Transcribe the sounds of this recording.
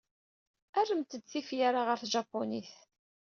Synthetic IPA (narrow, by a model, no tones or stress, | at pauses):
ærːəmt̪əd̪t͡sːifjaɾaʁəɾθʒɑpːoniθ